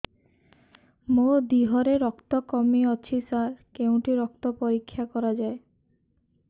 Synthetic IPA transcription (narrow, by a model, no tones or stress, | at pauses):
mod̪iɦɔɾeɾɔkt̪ɔkɔmiɔt͡ʃʰisaɾkeuw̃ʈiɾɔk̚t̪ɔpɔɾikʰːjakɔɾad͡ʒae